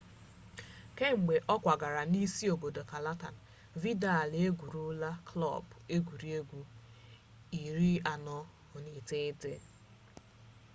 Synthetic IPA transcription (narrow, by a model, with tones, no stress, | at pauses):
ke˦ŋ͡m̩˨ɡ͡be˨ʔɔ˦kʷa˨ɡa˨ɾa˨ni˦si˦o˨bo˨do˨ka˨la˦ta˨n̩˨ | vi˦da˦˨le˦ɡʷu˨ɾu˦la˦klɔ̰˦˨be˦ɡʷu˨ɾi˦e˦ɡʷu˦ | i˨ɾi˦a˨nɔ˦ | ʊ˨ni˨te˦de˦